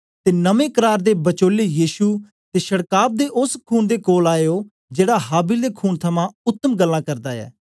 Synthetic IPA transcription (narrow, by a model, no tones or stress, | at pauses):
t̪eːnəmẽːkəɾaːɾd̪eːbət͡ʃoːleːjiːʃuː | t̪eːʃəɽkaːb̚d̪eːʔʊskʰuːnd̪eːkoːlaːeoː | d͡ʒeːɽaːɦaːbɪld̪eːkʰuːnt̪ʰəmãːʊt̪ːəmɡəlːãːkəɾd̪aːɛ̰ː